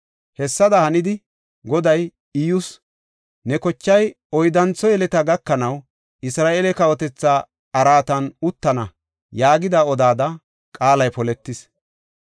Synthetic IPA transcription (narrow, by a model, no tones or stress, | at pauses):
hɛsːɐd̪ɐhɐnɪd̪ɪ | ɡɔd̪ɐj | ɪjʊs | nɛkɔt͡ʃːɐj | ɔjd̪ɐnt͡sːɔjɛlɛt̪ɐɡɐkːɐnɐw | ʔɪsɾaːʔelɛkɐwɔt̪ɛt͡sːaː | ɐɾaːt̪ɐnʊt̪ːɐnɐ | jaːɡɪd̪aɔd̪aːd̪ɐ | kʼaːlɐjpɔlɛt̪ːɪs